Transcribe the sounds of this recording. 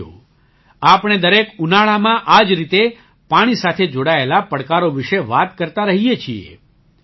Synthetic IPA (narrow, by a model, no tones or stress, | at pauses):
o̰ | apɽ̃ed̪əɾekunaɭamãʔad͡ʒɾit̪e | paɽ̃isat̪ʰed͡ʒoɽaelapəɽkaɾoʋɪʃeʋat̪kəɾt̪aɾəɦijet͡ʃʰiḛ